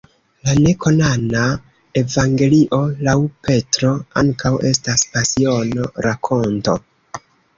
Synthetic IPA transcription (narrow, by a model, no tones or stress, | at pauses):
lane̞kʰo̞nana | e̞vaŋɡe̞liʔo̞lawpe̞tɾo̞a̰ŋkawe̞staspasio̞no̞ɾakʰo̞nto̞̰